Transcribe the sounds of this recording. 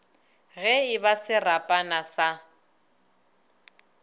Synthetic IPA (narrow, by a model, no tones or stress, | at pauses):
ɣɛɪbasɪrapʼanasa